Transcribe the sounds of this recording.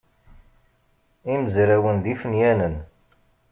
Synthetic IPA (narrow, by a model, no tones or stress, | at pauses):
iməzɾæwənðifənjænən